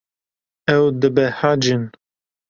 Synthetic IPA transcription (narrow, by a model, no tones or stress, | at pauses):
ɛwd̪ɨbɛhad͡ʒɨn